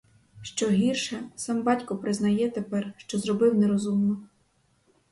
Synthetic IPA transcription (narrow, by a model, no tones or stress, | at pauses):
ʃt͡ʃɔɦʲirʃɛsɑmbɑtʲkɔpɾɪznɐjɛt̪epɛrʃt͡ʃɔzrɔbɪwneɾɔzumnɔ